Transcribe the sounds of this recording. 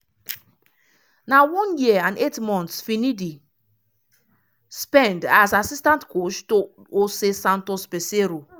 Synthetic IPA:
nawɔ̃njiãnetmɔ̃nt̪sfinidi | spɛ̃ndasasistãntkot͡ʃto | osesãntospeseɾo

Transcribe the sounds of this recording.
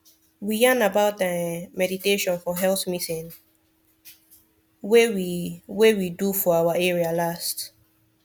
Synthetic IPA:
wijanabaʊt̚dəmɛditeʃɔ̃nfɔɦɛlθmisĩn | wewiwewidufɔawaɛɹialast

